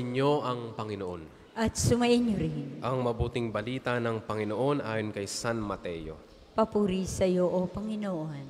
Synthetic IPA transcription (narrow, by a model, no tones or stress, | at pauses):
ɲjo̞ʔɐŋpɐŋɪnoʔon | ʔɐt̪̚sʊmɐʔɪɲjoɾɪnʔɐŋmɐbuːt̪ɪŋbɐliːt̪ɐnɐŋpɐŋɪnoʔo̞nʔaːjonkɐjsanmɐt̪ɛjo̞̰ | pɐpuɾisɐjoʔopɐŋɪnoʔon